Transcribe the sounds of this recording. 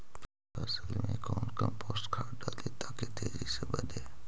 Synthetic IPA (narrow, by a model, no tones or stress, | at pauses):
pəsəlmẽkoːnkəmpoːsʈkʰaːʈɖad̪et̪aːket̪ʰeːzisebəd̪ʱeː